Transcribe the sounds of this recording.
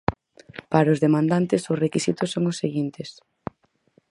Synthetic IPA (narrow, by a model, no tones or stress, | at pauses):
paɾaʊzðemãnd̪ant̪ɪsʊsrekisit̪ʊsːoŋʊsːeɣint̪ɪs